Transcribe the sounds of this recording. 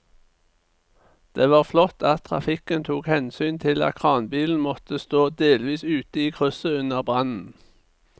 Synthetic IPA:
d̪̥eːʋɑːʁflɔt̪ɑt̪̚ʰʁɑ̰fɪkənt̪ʰuːkhɛnsyːnt̪ʰɪlɑ̰t̪kʰʁɑːnbiːln̩mɔt̪əst̪oːd̪eːlʋiːsʉːt̪əiːkʰʁʉsəʉnəʁbʁɑnn̩

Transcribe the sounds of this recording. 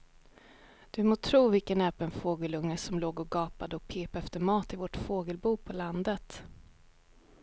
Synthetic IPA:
d̪̥ɵmoːt̪ʰɾuːvɪlkənɛːpənfoːɡəlɵŋːəsɔmloːɡɔɡɑːpad̪əɔkpʰeːpaɛft̪əɾmɑːt̪ɪvɔʈfoːɡəlbuːpʰɔland̪ət̪

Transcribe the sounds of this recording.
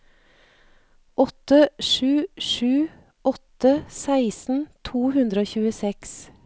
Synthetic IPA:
ʔɔt̪əʃʉːʃʉː | ʔɔt̪əsæɪsn̩t̪ʰuːhʉnd̪ɾəoːçʉːəsɛks

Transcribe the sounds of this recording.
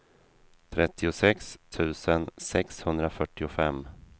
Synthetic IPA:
t̪ʰɾɛt̪ːɪʊsɛkst̪ʰʉ̟ːsənsɛkshɵnd̪ɾafœʈːɪʊfɛmː

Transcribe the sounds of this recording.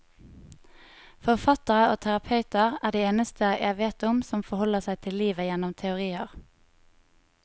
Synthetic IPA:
fɔʁfɑt̪əʁəoːt̪ʰæʁɑpʰɑʉt̪əʁæːʁd̪eːeːnəst̪ʰəjʔæ̰ɪʋeːt̪ʊmsɔmfɔʁhɔləʁsæɪt̪ʰɪlliːʋəjɛnɔmt̪ʰɛʊʁiːəʁ

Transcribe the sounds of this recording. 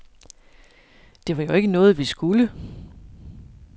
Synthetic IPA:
d̥e̝ʋɑ̈joe̝ɡ̥ənɔ̽ːð̞̩ˠʋisɡ̥ulə

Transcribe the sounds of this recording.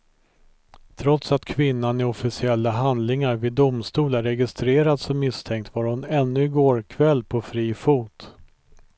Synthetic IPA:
t̪ʰɾɔt̪sat̪kʰvɪnːanɪɔfɪsɪɛlːaɦand̪lɪŋaɾvɪd̪ʊmst̪uːlæɾɛɡɪst̪ɾeːɾad̪sɔmːɪst̪ʰɛŋk̚t̪vaːɾhʊnɛnːɵɪɡoːɾkʰvɛlːpʰɔfɾiːfuːt̪

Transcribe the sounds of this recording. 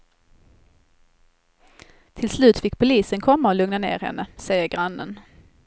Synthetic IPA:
t̪ʰɪlslʉ̟ːt̪fɪkːpʰʊliːsənkʰɔmːaɔlɵŋnanḛːɾhɛ̰nːəsɛjəɾɡɾanːə̰n

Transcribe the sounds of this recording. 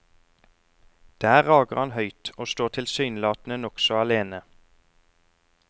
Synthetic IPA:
d̪̥æːʁɑːɡəʁɑnhœʏt̪oːst̪oːt̪ʰɪlsyːnlɑːt̪n̩ənɔksɔɑleːnə

